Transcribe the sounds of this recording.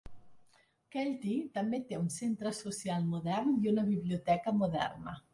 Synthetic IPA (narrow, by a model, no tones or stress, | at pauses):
kɛlt̪it̪amːet̪ːeaunsent̪ɾasosjalmod̪ɛrnd̪iunabibljiot̪ɛːkamod̪ɛ̰rna̰